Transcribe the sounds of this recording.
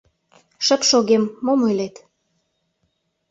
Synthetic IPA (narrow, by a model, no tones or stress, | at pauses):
ʃə̆pʃoɣemːomulet̪